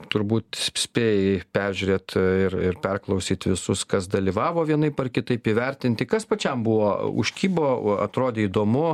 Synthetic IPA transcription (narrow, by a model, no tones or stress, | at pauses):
t̪ʊɾbuːt̪ʲsʲpʲeːjɛpʲɛɾʲʒʲʉːɾʲeːt̪ɪrɪrpʲɛrklˠɐʊsʲiːt̪ʋʲɪsʊskɐsd̪ɐlʲiːʋɑːʋoːʋʲiɛnɐɪpɐrkʲɪt̪ɐɪpiʋʲɛɾʲt̪ʲɪnʲt̪ʲɪkɐspɐt͡ʃʲɛmbʊʋoːʊ̰ʃʲkʲiːboːɐ̰t̪ɾoːd̪ʲeːiːd̪oːmʊ